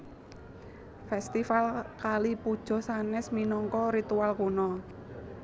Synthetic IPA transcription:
fɛst̪ifalkalipud̥ʒ̥ɔ̤sanɛsminɔŋkɔɾit̪ualkunɔ

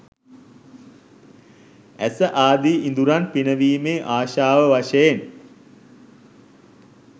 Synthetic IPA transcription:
æsəʔaːd̪iind̪uɾanpinəʋiːmeːʔaːʃaːʋəʋaʃəjen

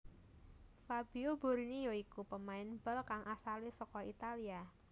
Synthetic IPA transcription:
fab̥ioboɾinijoikupəmaɪnbəlkaŋʔasalisɔkɔit̪alia

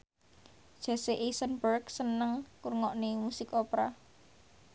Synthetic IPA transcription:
d̥ʒ̥a̤seʔesənbərksənəŋkurŋɔʔnemusɪkopɾa

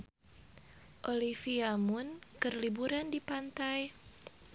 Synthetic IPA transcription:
ʔolifiamʊnkɨrlibuɾandipant̪aj

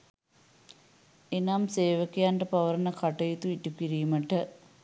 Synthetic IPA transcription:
enaːmseːʋəkejaɳʈɐpɐʋɐɾnɐkɐʈɐjit̪uiʈukiɾijumɐʈə

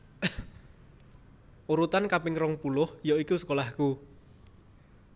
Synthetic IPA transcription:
uɾut̪ankapɪŋrɔŋpulʊhjoikusə̥kolahku

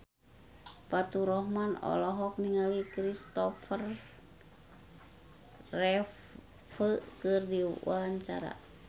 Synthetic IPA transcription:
pat̪uɾɔhmanɔ̰lɔɦɔk̚niŋawikɾist̪ɔfər | ɛ | fəkɨrdiwaɦaɲt͡ʃa̰ɾa̰

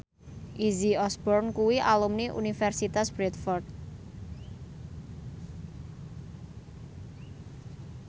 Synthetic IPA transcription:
ʔiziɔsbɔrnkuwiʔalumniʔṵnifɛrsit̪asb̥ɾɛt̪fɔrd̪̚

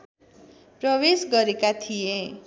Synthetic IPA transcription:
prʌwesɡʌɾekat̪ʰije

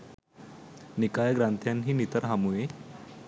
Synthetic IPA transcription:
nikajəɡɾant̪ʰjanɦiːnit̪əɾɦamue

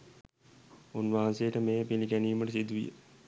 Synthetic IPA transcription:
unʋaɦãsejəʈəmeːpilikæniːməʈəsid̪uʋḭjə̰

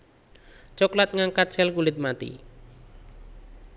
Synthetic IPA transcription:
t͡ʃɔklat̪̚ŋaŋkḁt͡ʃɛlkulɪt̪̚mat̪ḭ

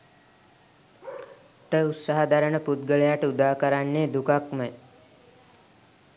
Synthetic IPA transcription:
ʈəut̪saɦad̪aɾəɳəput̪̚ɡəɭejaʈəud̪aːkəɾaɳːeːd̪ukakməj

